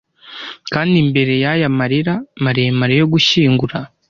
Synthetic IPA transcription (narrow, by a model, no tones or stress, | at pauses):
kaːndimbe̞ɾe̞jajamaɾiɾamaɾejemaɾejo̞ɡuʃiːŋɡuɾa